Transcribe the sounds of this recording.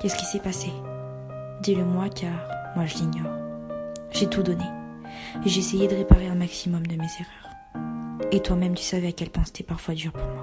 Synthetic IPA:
kɛsə̥kʲi̥sɛpase | d̪iləmwakaʁmwaʒəliɲjɔːʁ | ʒet̪ud̪ɔne | eʒeesejed̪əʁepaʁeɛ̃maksimɔmd̪əmezeʁœːʁ | et̪wamɛmt̪y̥savɛakʲɛlpɑ̃se̥t̪ɛpaʁfwad̪yʁpuʁmwa

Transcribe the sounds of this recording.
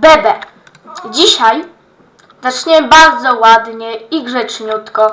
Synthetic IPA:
bɛbɛ | d͡ʑiɕaj | zat͡ʂɲɛbaɾd̪zɔwad̪ɲɛiɡʐɛt͡ʂɲut̪kɔ

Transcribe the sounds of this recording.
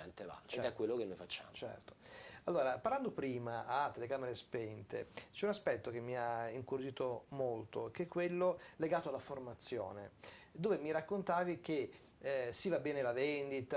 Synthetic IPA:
ɛnt̪eva̰t͡ʃ̪ɛkːwelːokenojfat͡ʃːa̰ːmt͡ʃɛ̰rt̪o̥alːoːɾapaɾrland̪opɾiːmaʔat̪ːelekaːmeɾespɛnt̪ḛt͡ʃɛunaspɛt̪ːok̟emːiaiŋkuɾod͡ʒiːt̪omolt̪okeɛkːwelːoleɡaːt̪oalːaformat̪sːjo̰ːned̪oːvemiɾakːont̪aːvik̟e | sivabːɛːnelavend̪it̪a

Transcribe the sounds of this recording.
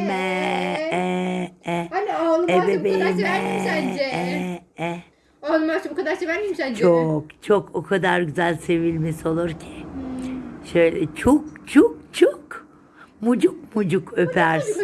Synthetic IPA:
mɛ | ɛanialˠɯebebemɛd͡ʒɛɛɛ | alˠɯmat͡ʃʰbukad̪aɾsevæɾmimisænd͡ʒt͡ʃʰokt͡ʃʰokʰokʰad̪aɾɟyzælʲse̞vilʲmesio̞lˠuɾcʰi̥ | ʃø̞jlʲɛt͡ʃʰok̚t͡ʃʰuk̚t͡ʃʰuk | mud͡ʒuk̚mud͡ʒukʰøpʰæɾs

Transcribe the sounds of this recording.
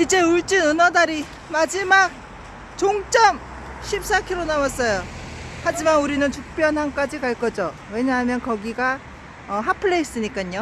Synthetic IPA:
id͡ʑe̞uɭt͡ɕ͈inɯnʌdaɾi | mad͡ʑimak̚ | t͡ɕoŋt͡ɕ͈ʌm | ɕʰip̚s͈akʰiɾonawas͈ʌjohad͡ʑimanuɾinɯnt͡ɕuk̚p͈jʌnɦank͈ad͡ʑikaɭk͈ʌd͡ʑo | we̞ɲaɦamjʌnkʌɡiɡa | ʌɦapʰɯɭːeis͈ɯɲik͈aɲo

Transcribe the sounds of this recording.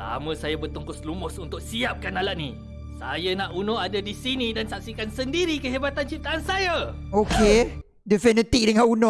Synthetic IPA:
sa̰mə̃sajabərt̪uŋkʊslumʊsunt̪ʊk̚siap̚kanalaʔni | sa̰janãʔunoadadisinĩdansak̚sikansəndiɾikəɦebat̪ant͡ʃip̚t̪aʔansaja | okʰe | dɛfɛnət̪ik̚dəŋaunɔ

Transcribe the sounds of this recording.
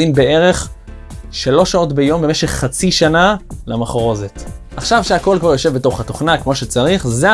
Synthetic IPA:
imbee̞ʁe̞χ | ʃalo̞ʃao̞tbejo̞mbeme̞ʃe̞χːat͡siʃanalamaχʁo̞zetaχʃavʃeako̞lkvaʁjo̞ʃe̞vbeto̞χhat̪o̞χnakmo̞ʃet͡saʁiχze

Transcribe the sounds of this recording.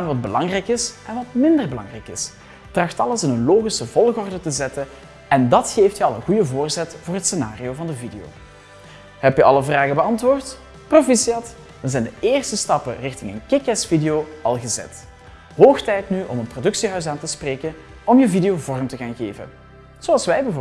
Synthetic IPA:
anʋɑd̚bəlɑŋrɛjkɪsʔɛnʋɑtmɪndərbəlɑ̰ŋrɛjkɪs | trɑxtɑləsɪnənloːɣisəvɔlˠɣɔrdətəzɛtə | ɛndɑtxeːftjəɑlˠə̰nɣujəvoːrzɛtvʊːrɦətsena̰ːrioːvɑndəvideo̰ː | ɦɛpjəʔɑ̰ləvraːɣəbəɑntʋʊːrt | profisiɑt | ʋəzɛjndəɪːrstəstɑpərɪxtɪŋə̰nkɪkɛsfidejoːɑlˠɣəzɛ̰t | ɦoːxtɛjtnyʔɔ̰mənprodɵksiɦœɥs̬aːntəspreːkən | ɔmjəvidejoːvɔrəmtəɣaːnɣeːvə̰n | z̥oɑlˠsʋɛjbəv

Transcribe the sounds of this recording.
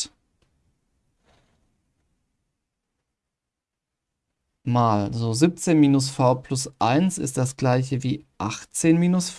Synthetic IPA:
maːlzoːzip̚t͡seːnmiːnʊsfaʊpʰl̥ʊsʔaɪnsɪ̰st̚d̥asɡ̥laɪçəviːʔaχt͡seːnmiːnʊsf

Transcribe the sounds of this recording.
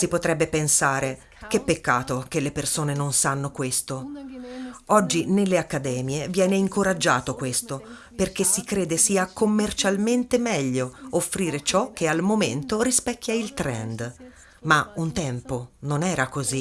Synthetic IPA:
sipot̪ɾɛbːepensaːɾe | k̟epːekːaːt̪okelːepersoːnenonsanːokwest̪o | ɔd͡ʒːinelːeakːad̪ɛːmjevjɛːneiŋkoɾad͡ʒːaːt̪okwest̪o | perk̟esikɾeːd̪esiːakomːert͡ʃalment̪emɛʎːoofːɾiːɾet͡ʃɔk̟ːealmoment̪oɾispɛkːjailt̪ɾɛ̰nd̪ | maunt̪ɛmpononɛːɾakozi

